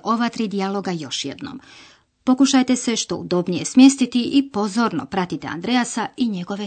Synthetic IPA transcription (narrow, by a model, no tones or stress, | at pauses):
ʔo̞ʋat̪ɾid̪ialˠo̞ɡajo̞ʃjḛd̪no̰m | po̞kuʃajt̪e̞seʃt̪o̞̰ud̪o̞bnije̞smje̞st̪it̪iʔipo̞zo̞ːɾno̞̰pɾat̪it̪ḛa̰nd̪ɾejasaiɲe̞ɡo̞ʋe̞